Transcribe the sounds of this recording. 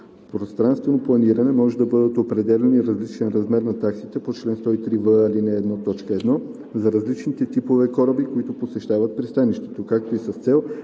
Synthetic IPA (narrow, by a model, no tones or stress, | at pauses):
pɾost̪ɾanst̪vɛnoplˠɐniɾɐnɛmɔʒɛd̪ɐbɤd̪ət̪opɾɛd̪ɛlʲɛniɾɐzlit͡ʃɛnɾɐzmɛɾnɐt̪aksit̪ɛpot͡ʃlɛnst̪ɔit̪ɾivəːlinɛːd̪nɔt̪ɔt͡ʃkəɛd̪nɔ | zɐɾɐzlit͡ʃnit̪ɛt̪ipovɛkɔɾəbikoit̪oposɛʃt̪avɐt̪̚pɾist̪aniʃt̪ɛ̥t̪okak̚t̪oisɐst̪sɛlˠ